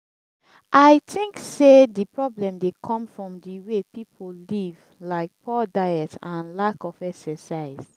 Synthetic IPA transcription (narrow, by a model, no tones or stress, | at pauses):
ʔaɪtʰĩŋksedipɹɔblɛ̃mdekʰɔ̃mfɹɔ̃mdiwepipʰolliv | laɪk̚pʰɔdaɪɛtãnlakɔfɛksɛsaɪz